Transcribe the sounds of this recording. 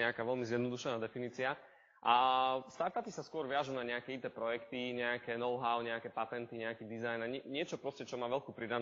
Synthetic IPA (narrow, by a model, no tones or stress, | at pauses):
ɛakaːʋɛlmizjɛd̪nɔd̪uʃɛnaːd̪ɛfiniːt͡sia | ʔast̪aɾt̪apisaskʊɔɾʋɪaʒuːnaɲɛakɛid̪ɛːpɾɔjɛkt̪iɲɛakɛnɔʊɦaʊɲɛakɛpat̪ɛnt̪iɲɛakiːd̪izajnaɲɛɲɪɛt͡ʃɔpɾɔscɛt͡ʃɔmaːʋɛʎkuːpɾid̪a